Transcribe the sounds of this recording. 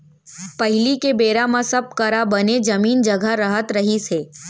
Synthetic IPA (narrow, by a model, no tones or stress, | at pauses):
pɐɦɪlikebeːɾamãsɐb̚kəɾabəned͡ʒɐmiːnd͡ʒəɡʱaɾəɦət̪ɾəɦiseː